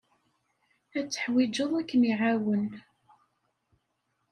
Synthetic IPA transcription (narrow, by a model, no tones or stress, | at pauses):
æt͡sːə̥ħwid͡ʒəðˤækːəniʕawən